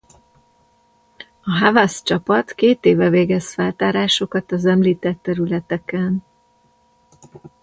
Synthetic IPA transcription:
ɒɦavɒst͡ʃɒpɒt̪keːt̪eːvɛveːɡɛsfɛlt̪aːɾaːʃo̞kɒt̪ɒzɛmliːt̪ɛt̪ːɛɾylɛt̪ɛkɛn

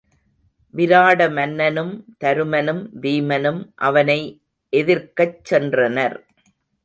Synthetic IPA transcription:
ʋɪɾaːɽɐmɐnːɐnɯmt̪ɐɾɯmɐnɯmʋiːmɐnɯmʔɐ̰ʋɐnɐɪ | ʔɛðɪɾkɐt͡ʃːɛndrɐnɐɾ

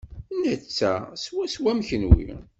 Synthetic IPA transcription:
næt͡sːæswæswæmçənwḭ

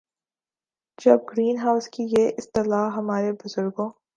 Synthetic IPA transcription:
d͡ʒɐb̚ɡɾiːnɦaːʊskijeʔɪst̪ɪlaːɦɐmaːɾebʊzʊɾɡõː

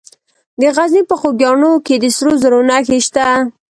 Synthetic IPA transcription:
d̪əɣaznipəxoɡjɑɳoked̪əsɾozəɾonaxeʃt̪a

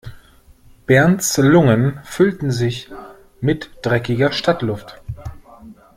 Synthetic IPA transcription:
b̥ɛɐnt͡slʊŋənfʏltn̩zɪç | mɪtd̥ʁɛkɪɡɐʃtʰatlʊft

